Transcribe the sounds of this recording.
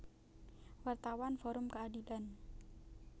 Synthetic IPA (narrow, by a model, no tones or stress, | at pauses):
wart̪awanfɔɾʊmkəadilan